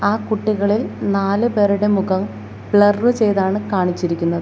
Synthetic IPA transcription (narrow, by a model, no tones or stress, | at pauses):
aːkuʈːiɣɐɭilnaːlɨpeːɾuɽemuɣɐm | bɭɐrːɨt͡ɕe̞jðaːɳɨkaːɳit͡ɕːiɾikʲːunːɐðɨ